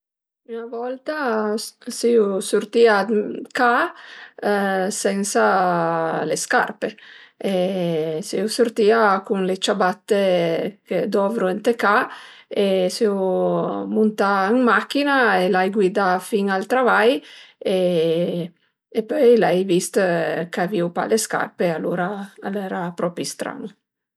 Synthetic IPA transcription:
ynavɔlt̪a | siusuɾt̪iaka | sɛnsa | leska̰rpeesiusuɾt̪iakuŋlet͡ʃabat̪ːeked̪ɔvɾuɛnt̪ekaeseu | munt̪aiŋmak̟ːinaelajɡwid̪afiŋalt̪ɾavaje | pɔjlɛjvist̪kaviupa̰leska̰rpealuːɾaːlɛːɾapɾɔpɾist̪ɾa̰nu

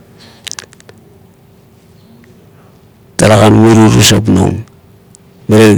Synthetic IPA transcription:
taɾaɣanmuɾuɾusapno̰ŋ | beɾe

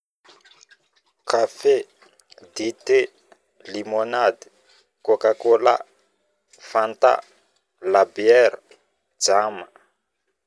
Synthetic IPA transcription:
kʰafe | d̪it̪e | limonad̪i̥ | kokakola̰ | fant̪a̰ | labiɛɾa | d͡zama

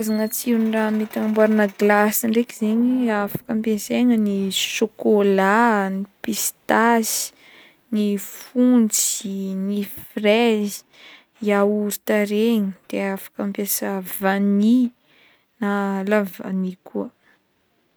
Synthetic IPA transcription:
zaŋət͡siramit̪aŋmbwaɾanəɡlasiɳɖ͡ʐekizeɲiafḁkəmpeseŋəniʃokolanipist̪asi̥ | nifunt͡sinifrezi̥ | jauɾt̪aɾeɲid̪̥eafḁkəmpjesəvani | nalava̰nikʰuə

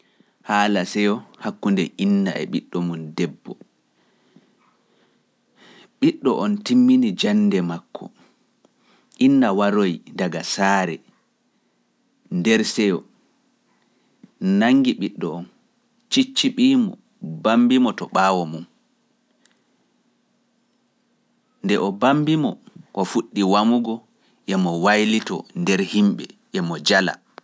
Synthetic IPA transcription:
haːlasɛjɔhakːundɛʔinːa̰ɛ̰ɓiɗːɔmundɛbːɔ | ɓiɗːɔʔɔntimːinid͡ʒandɛmakʰːɔ̰ | ʔinːawaɾojdaɡasaːɾɛ | ndɛɾsɛjɔ | naŋɡiɓiɗːɔɔn | t͡ʃit͡ʃːiɓiːmɔ̰ | bambimɔtɔɓaːwɔmun | ndɛʔɔbambimɔkɔfuɗːiwamuɡɔ | ʔɛmɔwajlitɔ̰ndɛɾhimɓɛʔɛmɔd͡ʒala̰

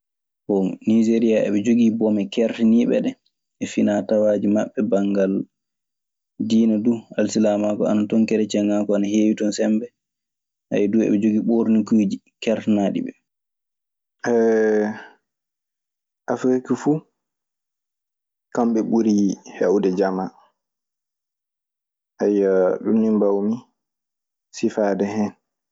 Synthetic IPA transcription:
bomnid͡ʒeɾijaɛ̰ɓɛd͡ʒoɡibɔmɛkɛɾtɛniɓɛ̰ɗɛ | ɛfinatawaːd͡ʒimaɓːɛbaŋɡal | diːnadualsilamakɔanatɔŋkɛɾɛt͡ʃɛŋːaːkɔanaheːwitɔnsɛmbɛ | ha̰jɛduɛ̰ɓɛd͡ʒoɡiɓoɾnikuːd͡ʒi | kɛɾtɛnaɗḭɓɛ | ʔɛ | ʔafɾikifu | kamɓɛɓuɾihɛwdɛd͡ʒama | ʔajaɗunːimbawmi | sifaːdɛhɛn

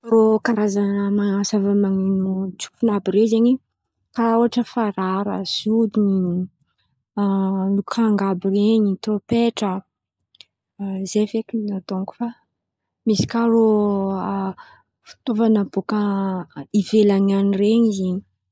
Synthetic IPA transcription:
rokaɾazanəmaasavamaŋinut͡su̥funabiɾezeɲi | kaoaʈ͡ʂəfaɾaɾə̰zud̪iɲi | lukʰaŋɡabireɲit̪opeʈ͡ʂə | zevekininat̪oŋku̥fa | misi̥karo | fu̥t̪ovanəbokə | ivelaɲanireɲizeɲi

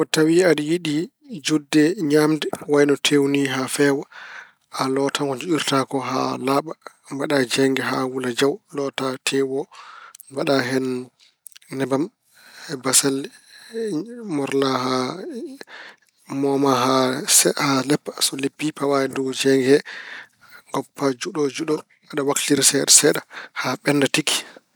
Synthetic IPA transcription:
ʔɔtawiaɗijiɗi | d͡ʒudːɛɲamdɛwajnɔtʰewniɦafɛwa | ʔalɔtʰaŋkɔd͡ʒuɗiɾtakɔɦa̰laːɓa | mbaɗad͡ʒɛŋɡɛɦawulad͡ʒawlɔtatʰɛwɔ | baɗaɦɛnː | ɛbam | hɛbasal | mɔɾlaha | mɔmaɦashalɛpːḁsɔlepːipawaɛdɔwd͡ʒɛŋɡɛhɛ | ŋɡɔpːad͡ʒuɗɔd͡ʒuɗɔ | aɗawaktiɾsɛɗasɛɗahaɓɛnːdatikːi̥

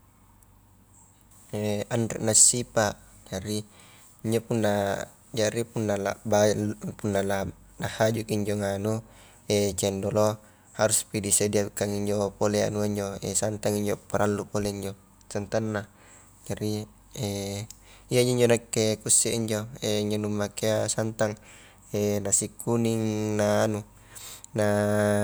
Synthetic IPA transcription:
eandɛ̰ʔnasːipad͡ʒaɾi | iɲd͡ʒopunːa | d͡ʒaɾipunːala̰bapunːala | lahad͡ʒukiɲd͡ʒoŋanu | ɛt͡ʃɛndolo | haɾuspidisediakːaŋiɲd͡ʒopolea̰nuaiɲd͡ʒoesant̪aŋiɲd͡ʒopaɾʔalːupoleiɲd͡ʒo | sant̪anːa | d͡ʒaɾi | e | iaiɲd͡ʒoiɲd͡ʒonakːekusːɛiɲd͡ʒoeiɲd͡ʒonumːakeasant̪aŋ | enasikːuniŋnaːnu | na

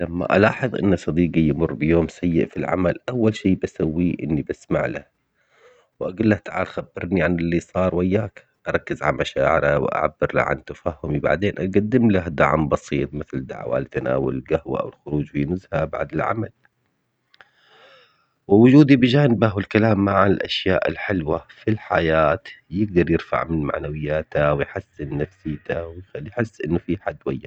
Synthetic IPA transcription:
lamːa̰ʔa̰lɑːħɨðˤʔɪ̰nːasˤɑd̪iːɡijmʊrːbɪjoːmsajːɪʔfilʕa̰malʔawːalʃiːbasawːiʔɪ̰nːibasmaʕla̰ | wʔaɡʊlːaht̪aʕaːlxabːɪɾniʕanɪlːisˤɑːɾˤwajːaːk | ʔɑɾˤɑkːɪzʕa̰lmaʃaːʕɪɾawʔa̰ʕa̰bːɪɾla̰ʕa̰nt̪afaːhːʊmiba̰ʕd̪eːnʔaɡad̪ːɪmlahd̪a̰ʕmbɑsˤiːt̪̚ˤmɪθld̪a̰ʕwa̰lɪt̪ʔana̰ːwa̰lɪlɡahwa̰ʔa̰wɪlxʊɾuːd͡ʒfinʊzhaba̰ʕd̪ɪlʕa̰mal | wɪwʊd͡ʒuːd̪ibɪd͡ʒaːnɪbaɦɪlkalaːmːaʕanɪlʔaʃjaːʔɪ̰lħɪlwafilħajaːt̪jɪɡ̚d̪ɑɾˤjɪɾfa̰ʕmɪnma̰ʕnawɪjːaːt̪awɪjħɪsːɪnːafsiːt̪awɪjajħɪsːʔɪnːʊfiħad̪ːwajːa̰

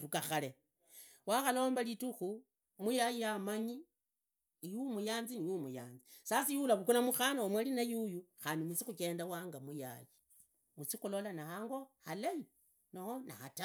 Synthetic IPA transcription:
ɾukaxale | waxalo̞ːmbalituxu | mujajijamaɲi | jumujaːnzinijumuja̰ːnzisasijulaβukulamuxanaomwalinajujuxaːndimut͡sixuke̞ːndawaːŋɡamuja̰ji | mut͡sixulolanahaːŋɡo̞halai | nohona̰hata

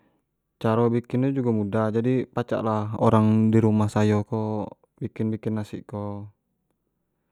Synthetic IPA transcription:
t͡ʃaɾɔbikɪnud͡ʒuɡamudad͡ʒadipat͡ʃa̰ʔlaoɾaŋdiɾumahsajokɔ | bikɪnbikɪnːasḭʔkɔ

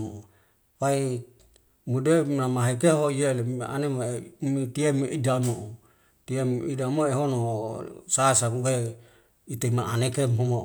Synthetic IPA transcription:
mo | wai | mudenamaɦekeɦojeleʔa̰nemomit̪iemeʔidamo | t̪iemidamoeɦonosasauwe | it̪emaʔanekemɦomo

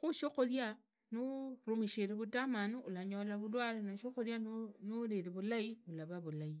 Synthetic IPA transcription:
xuʃoxolja | nurumiʃeɾeβutamanuulaɲolaβulwalenaʃoxoljanuleɾeβulaiulaβaβulai

